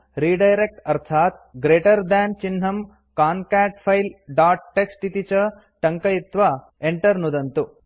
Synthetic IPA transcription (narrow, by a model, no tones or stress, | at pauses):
ɾiːɖɐjɾek̚ʈɐɾt̪ʰaːt̪̚ɡɾeːʈɐɾd̪aːnt͡ʃinɦɐm | kaːnkaːʈpʰɐjlɖaːʈːeksʈit̪it͡ʃɐ | ʈɐŋkɐjit̪ʋɐ | eɳʈɐɾnud̪ɐnt̪u